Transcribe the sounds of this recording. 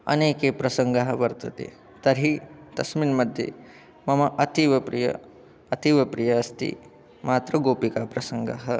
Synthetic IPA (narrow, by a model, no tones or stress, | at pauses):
ɐ̰neːkepɾɐsɐŋɡaɦɐʋɐɾt̪ɐt̪ḛː | t̪ɐɾit̪ɐsminmɐd̪ʱjḛ | mɐmɐʔɐt̪iʋɐpɾḭjɐ̰ | ɐt̪iʋɐpɾijɐɐst̪ḭ | maːt̪ɾɐɡoːpikaːpɾɐsɐŋɡa̰ɦɐ